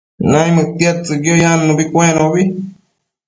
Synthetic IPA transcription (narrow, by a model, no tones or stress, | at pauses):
nãj̃mɨt̪jat͡sɨɡjojanmõbikʷẽnõβi